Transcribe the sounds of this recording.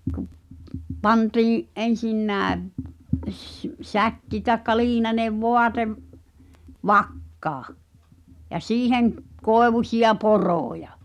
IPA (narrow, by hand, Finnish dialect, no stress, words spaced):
kŭp̆ pɑntiːĩ ʔen̞sinːæːʋ s sækːi tɑĕkːɑ liːnɑneʋ ʋoɑteʋ ʋɑkːɑː jɑ siːheŋ koeʋusʲiɑ poroˑjɑ